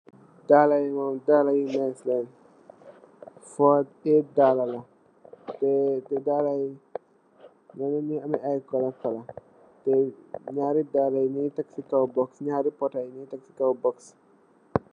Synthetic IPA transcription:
dalajmɔmdalajimɛslɛn | fɔd̚ɛdalɐlɐ | tɛtɛdalaj | nɛnɛɲiɐmɛʔajkɔlɐkɔlɐ | tɛɲaːɾidalajnitaksikawbɔksɲaːɾipɔtajnitaksikawbɔks

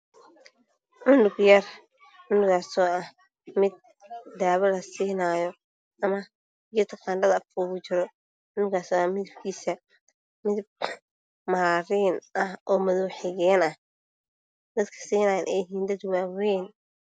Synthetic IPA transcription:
ʕʊndʊɡjɐr | ʕʊndʊɣaːsɔːɐh | mɪd̪̚ː | aːβɐlɐsiːnaːjɔ | ʔɐmɐ | jɔt̪ʰqɑːndɐðɐfuːɣʊt͡ʃɪɾɔ | ʔʊnʊɡaːsɔːɐmɪðɪb̚kʰiːsɐ | mɪðb | maːɾiːnʔɐhʔɔːmɐðuːħɪɣɛːnɐh | d̪̥ɐd̪kʰɐ̥siːnajɐnʔɛjɪɦiːnd̪ɐd̪waːwɛjn

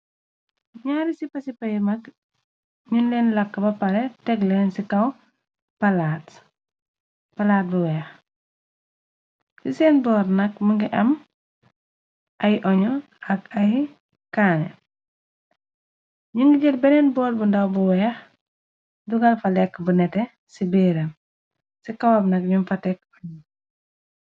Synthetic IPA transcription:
ɲaːɾisipɐsipɐjimɐk | ɲunlɛnlɐkːəbɐpɐɾɛtɛklɛːnsikɐw | pɐlaːt | pɐlaːt̚buwɛːx | sisɛːnbɔːɾnɐk̚mɐŋɡiʔɐm | ʔɐjʔɔɲɔ | ɐkɐj | kaːnɛ̰ | ɲuŋɡiɟɛlbɛnɛnbɔːɾ̚bundɐwbuwɛːx | duɡɐlfɐlɛkːbunɛtɛ | sibɛːɾɐm | sikawɐbnɐk̚ɲumfɐtɛk̚ɔɲi

